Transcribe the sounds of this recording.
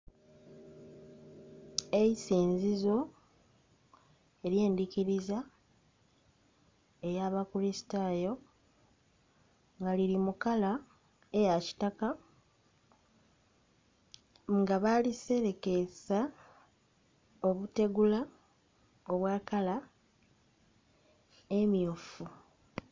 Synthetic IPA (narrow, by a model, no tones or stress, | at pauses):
e̞isiːnzizo̞ | e̞ɾje̞ːndiciɾiza | e̞jaβakulisi̥tajo̞ | ŋɡaliɾimukala | ejaci̥taka | ŋɡaβalise̞ɾe̞ke̞sa | o̞βute̞ɡula | o̞βwaːkala | e̞mjofu